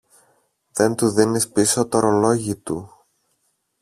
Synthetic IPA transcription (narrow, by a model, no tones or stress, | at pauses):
ðe̞nt̪uðinispiso̞t̪oɾolo̞ʝit̪ṵ